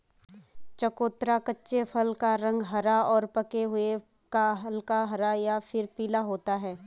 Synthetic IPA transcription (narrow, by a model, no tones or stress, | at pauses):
t͡ʃɐkoːt̪ɾakətːʃepʰəlkaɾɐ̃ŋɡɦɐɾaɔːɾpɐkeɦʊe | kaɦlkaɦɐɾajafʰɪɾpiːlaɦoːt̪aɦɛː